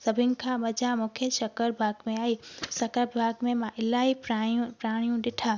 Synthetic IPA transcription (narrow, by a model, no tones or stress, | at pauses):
sɐbʱɪnɪ̆kʰãmɐd͡ʑamʊ̃kʰjəʃɐkəɾbʱaːɡmẽaːisɐkəɾbʱaːɡmẽmãʔɪlaːipãpɾaːɽ̃ijũɗɪʈʰaː